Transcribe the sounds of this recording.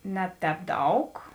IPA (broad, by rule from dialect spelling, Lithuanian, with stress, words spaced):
ˈnʲɛ ˌtʲɛːp ˈdɐʊk